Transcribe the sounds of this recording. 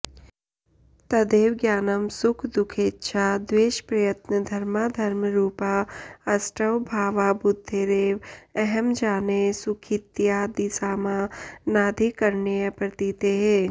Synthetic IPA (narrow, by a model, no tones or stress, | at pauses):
t̪ɐd̪eːwɡjaːnəmsʊkʰd̪ʊkʰeːtːʃʰad̪weːʃpɾɐjət̪nəd̪ʱɐɾmad̪ʱɐɾmɾuːpaɐsʈəwbʱaːʋabʊd̪ʱːed̪eːʋɛɦɛmd͡ʒaːnesʊkʰit̪jad̪ɪsaːmanaːd̪ʱikɐɾnepɾət̪iːt̪eɦɛ̃ː